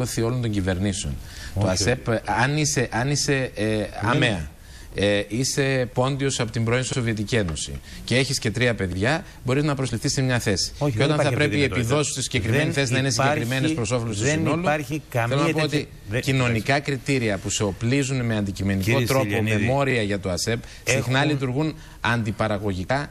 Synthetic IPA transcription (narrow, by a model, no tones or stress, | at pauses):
oθio̞lo̞nt̪o̞ɲɟive̞ɾniseo̞̰nt̪o̞ɐse̞pɐnise̞ʔɐnise̞ɐ̰meɐ̰ | ise̞po̞nd̪io̞sɐpo̞t̪imbɾo̞insoovie̞t̪icie̞no̞sḭcee̞çisce̞t̪ɾiɐpe̞ðʝɐ | bo̞ɾiznɐpɾo̞zlifθisemɲɐθe̞si̥ceot̪ɐnθɐpɾe̞piepiðo̞si̥st̪isiɲɟekɾime̞niθe̞s̬inɐinesiɟekɾime̞nespɾo̞so̞fole̞st̪sino̞luelonɐpoot̪i | cino̞nikɐkɾit̪iɾiɐpuseo̞plizunme̞ɐnd̪icime̞niko̞t̪ɾo̞po̞me̞mo̞ɾiɐʝɐt̪oɐse̞b | sixnɐlit̪uɾɣun | ɐnd̪ipɐɾɐɣo̞ʝikɐ